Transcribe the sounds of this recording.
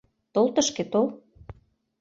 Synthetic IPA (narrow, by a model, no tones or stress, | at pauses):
t̪olt̪ə̆ʃket̪ol